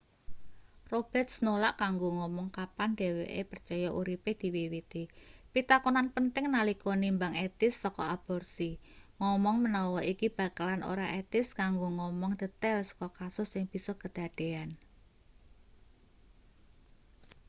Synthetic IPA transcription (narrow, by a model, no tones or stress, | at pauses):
rob̥ɛ̤rt̪̚snolaʔkaŋɡoŋɔmɔŋkapand̪e̤wḛʔepərt͡ʃɔjaʔuɾipehd̪̥i̤wiwit̪ipit̪akunanpənt̪ɪŋnalikɔnimbaŋet̪ɪsːɔkɔ̰ab̥ɔrsiŋɔmɔŋmənɔwɔikib̥a̤kalanʔo̰ɾaʔet̪ɪskaŋɡoŋɔmɔŋd̪̥ə̤t̪ɛlsɔ̥kɔkasʊsɪŋb̥i̤sɔkəd̪̥a̤d̪̥e̤an